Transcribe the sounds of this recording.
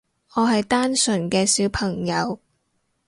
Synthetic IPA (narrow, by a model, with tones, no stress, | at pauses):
ŋɔː˨˧ɦɐ˨jt̪aː˥nsɵ˨˩nkɛː˧siː˨˥wpʰɐ˨˩ŋjɐ˨˧w